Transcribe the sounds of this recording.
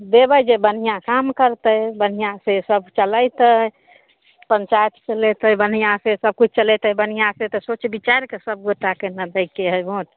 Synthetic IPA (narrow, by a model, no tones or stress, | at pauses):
d̪ebəjd͡ʒebən̤ijãkamkəɾt̪əbən̤ijãsesəbt͡ʃələjt̪ə | pəɲt͡ʃajt̪t͡ʃəlɛt̪əbən̤ijãsesəb̚kut͡ʃʰt͡ʃəlɛt̪əbən̤ijãset̪ɔsot͡ʃbit͡ʃaɾkesəb̚ɡoʈːakenəd̪əɪkːeɦəjbout̪